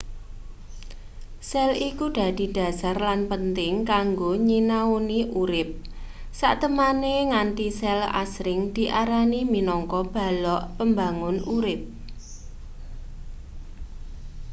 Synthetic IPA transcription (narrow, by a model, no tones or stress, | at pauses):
sɛlikuɖ̪̥ä̤d̪̥i̤d̥ä̤sarlanpənt̪ɪŋkaŋɡoɲinauniʔuɾɪp̚ | sa̰ʔt̪əmaneŋant̪isɛla̰sɾɪŋd̪̥i̤ʔaɾaniminɔŋkɔb̥a̤lɔʔpəmbaŋʊnuɾɪp̚